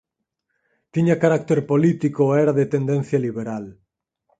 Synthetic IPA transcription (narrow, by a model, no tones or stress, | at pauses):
t̪iɲakaɾak̚t̪eɾpolit̪ikoɛɾaðet̪end̪ẽn̟θjaliβeɾal